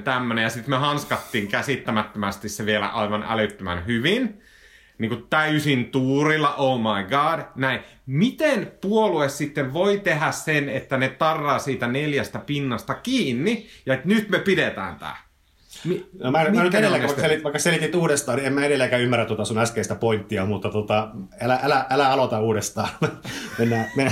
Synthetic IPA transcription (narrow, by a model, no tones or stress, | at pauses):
t̪æmːønejɑsit̪mehɑnskɑt̪ːiːŋkæsit̪ːæmæt̪ːømæst̪isseʋielæ̰ʔɑiʋɑnʔæ̰løt̪ːømæ̰nhyʋin | niːŋkut̪t̪æysint̪uːrilːɑʔoumɑiɡɑːdnæi | mit̪enpuoluessit̪ːeʋʋoit̪ehæssenet̪ːænet̪ɑrːɑːsiːt̪æneljæst̪æpinːɑst̪ɑkiːnːijɑet̪nyt̪mepidet̪æ̰ːnt̪æ̰ː | minomænmænyt̪eɾelːekæʋɑikːselit̪ʋɑikːɑselit̪it̪uːɾest̪ɑːniemæeɾelːekæymːærːæt̪uot̪ɑsunæskeist̪æpoint̪ːiɑmut̪ːɑt̪ot̪ɑælæʔælæʔælæɑlot̪ɑuːɾest̪ɑːmenːæːme